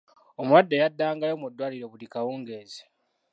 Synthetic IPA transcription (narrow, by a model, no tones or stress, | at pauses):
omuwadːejadːaːŋɡalomudːwaːliɾo̞βulikawuːŋɡeːze̥